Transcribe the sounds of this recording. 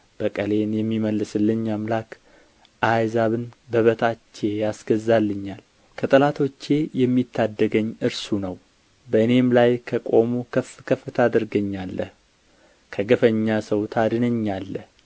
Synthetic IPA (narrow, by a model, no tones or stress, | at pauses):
b̥əkʼəle̞njɛmːiməlːɨsɨlːɨɲamlak | ʔajzaβɨnbəβət̪ʰat͡ʃːe̞jasɡ̥əzalːɨɲːal | kʰət̪ʼəlat̪ʰo̞t͡ʃːe̞jɛmːit̪ʰːad̪ːəɡəɲːɨɾsunəw | bəɨne̞mlajkʰəkʼo̞mukʰəfkʰəfːɨt̪ʰad̪ɨɾɡəɲːalːəh | kʰəɡəfəɲːasəwt̪ʰad̪ɨnəɲːalːəh